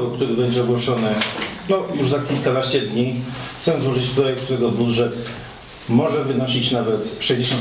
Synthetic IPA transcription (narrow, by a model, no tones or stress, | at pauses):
ɔk̚t̪uɾɘbɛɲd͡ʑɛɔɡwɔʂɔnɘnɔjuʐzakʲilkanaɕt͡ɕɛd̪ɲixt̪sɛzwɔʐɘt͡ɕpɾɔjɛk̚t̪t̪uɾɛɡɔbud̪ʐɛt̪ | mɔʐɛvɘnɔɕit͡ɕnavɛt̪ʂɛjd͡ʑeɕɔ̃n